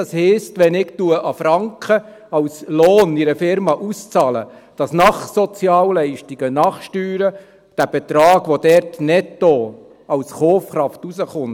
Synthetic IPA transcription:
ɑshɛɪstʋɛnɪktuəʔɑfɾɑŋkχə | ɑwsloːniɾəfɪɾmɑʔust͡sɑːlə̰d̥ɑsnɑχsɔt͡sjɑːllɛɪʃtiɡ̥ənɑχʃtyːɾə | d̥æb̥ɛt̪ɾɑːɡ̥ʋodɛɾtnɛtːo | ɑwsχoːfχɾɑftusəχʊn

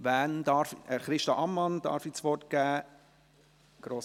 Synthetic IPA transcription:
ʋændɑːɾfəχɾɪʃtɑʔɑmːɑnd̥ɑ̰ːɾfit͡sʋɔɾt̚ɡ̥æː | ɡ̥ɾoːs

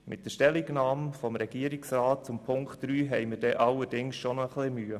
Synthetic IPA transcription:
mʔɪ̰t̚d̥əʃtɛliɡnɑːmfɔmɾɛɡ̥iəɾiksrɑːt̚t͡sʊmpʰʊŋktd̥ɾyːɦɛjməɾdɛʔɑlːəɾd̥ɪŋsʃonəχlɪmyːə

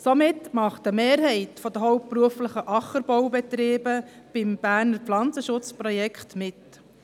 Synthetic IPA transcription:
somɪtmɑχtəmeːɾɦɛɪtfɔd̪əɦɔʊp̚pːɾuəfləχəʔɑχəɾbɔwbɛt̪ɾeːbə | b̥ɪmb̥æːɾnəɾpflɑnt͡səʃʊt͡spɾɔjɛkχtmɪt

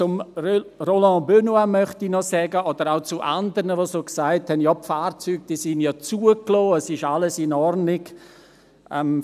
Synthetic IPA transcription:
t͡sʊmrolɑ̃bønwamœχtinɔsɛːɡəʔɔd̪əɾaʊt͡suʔandəɾnəʋosoːksaɪthɛnjɔpfaːɾt͡syːɡ̚d̥iːsɪnjɑt͡suəkloːəsɪʃaləsɪnɔɾnɪɡ | ʔɛm

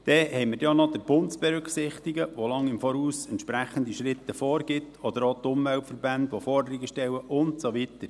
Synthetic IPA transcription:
d̥ɛhɛɪmədɛɔnɔd̥̪əɾb̥ʊntsb̥ɛɾʏksɪχt̪iɡəʋolɑŋɪmfɔːɾuːsɛntʃpɾæχənd̪iʃɾɪt̪ːəfɔːɾɡ̥ɪt̪ʰɔd̥̪əɾot̪ʊmvɛltfərbænd̪ʋofɔrdəɾiɡəʃtɛləʔʊntsoʋit̪əɾ

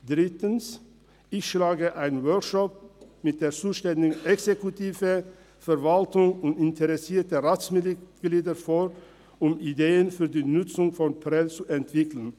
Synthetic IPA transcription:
d̪̥ʁɪtən̩s | ɪçʃlaːɡəʔaɪnənwœɹkʃɔp̚mɪt̚d̥eːɾt͡suːʃtɛndɪɡɛksekʊtʰiːvə | fɛɾvaltʊŋʊntɪntʰəʁɛsiːtəʁaːtsmɪɡ̥liːdəɾfoːɾ | ʊmɪd̪eːənfyːɾdiːnʊt͡sʊŋfɔnpʰʁɛlt͡suʔɛntv̥ɪklən̩

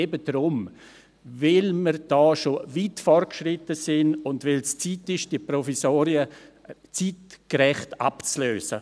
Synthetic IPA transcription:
ebədɾʊm | vɪlmərd̥ɔːʃoviːtfɔrt̚kʃrɪtəsɪnʊndʋɪlst͡siːtɪʃd̥iəprɔfisoːɾiət͡siːtkɾɛχta̰pt͡sløːsə̰

